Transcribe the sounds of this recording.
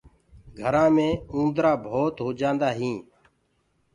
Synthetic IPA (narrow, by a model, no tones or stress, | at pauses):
ɡʱəɾãːmẽːũːnd̪ɾaːbʱoːt̪ɦoːd͡ʒãːnd̪aːɦĩː